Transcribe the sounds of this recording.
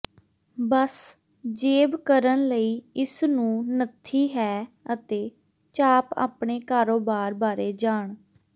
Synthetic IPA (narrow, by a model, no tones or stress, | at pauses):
bəs | d͡ʒeːbkəɾənləiːɪsnũːnət̪ʰːiːɦɛː | ət̪eː | t͡ʃaːpa̰ːpɳ̃eːkaːɾoːbaːɾbaːɾeːd͡ʒaːɳ